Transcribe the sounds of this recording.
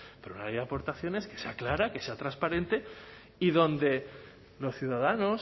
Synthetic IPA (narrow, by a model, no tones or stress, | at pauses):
peɾounalejðapo̞ɾt̪aθjo̞ne̞ske̞seaklaɾake̞se̞at̪ɾaspaɾẽ̞nt̪e̞ | iðo̞nd̪e̞ | lo̞sθjuðaðano̞s